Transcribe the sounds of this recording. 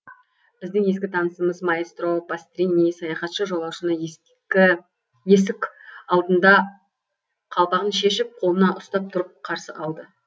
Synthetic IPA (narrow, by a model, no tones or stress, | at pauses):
b̥ɪzd̪ɪŋje̞skʲɪt̪ʰɑnəsəməzmɑjest̪ɾopast̪rʲinijsɑjɑχɑt̪ʃəʒo̞lˠɑwʃənə | ɪ | je̞s̬ɪkʲɑlˠd̪ənd̪ɑ | qʰɑlˠpɑʁənʃe̞ʃɪp̚qʰolˠənɑʔʊst̪ɑp̚t̪ʰʊɾəp̚qʰɑɾsəʔɑlˠd̪ə